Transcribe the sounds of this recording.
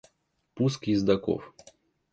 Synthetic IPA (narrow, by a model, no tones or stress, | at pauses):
puskjɪzd̪ɐko̰f